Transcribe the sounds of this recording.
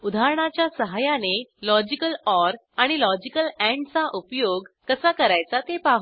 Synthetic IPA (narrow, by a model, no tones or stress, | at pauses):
ud̪ʱaɾɳ̃at͡ɕjasəɦajanelɔd͡ʑikəlɔɾ | aɽ̃ilɔd͡ʑikəlɛ̃ɳɖt͡saʔupjoɡkəsakəɾajt͡sat̪epaɦ